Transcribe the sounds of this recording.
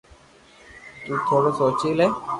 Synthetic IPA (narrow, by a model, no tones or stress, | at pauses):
t̪uːt̪ʰoːɽosoːt͡ʃile